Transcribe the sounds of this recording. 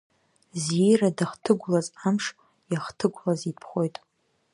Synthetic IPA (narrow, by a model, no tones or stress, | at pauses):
zijradaχtʰɨɡʷlazamʂ | jaχtʰɨɡʷʼlazipʰχʷo̞jtʼ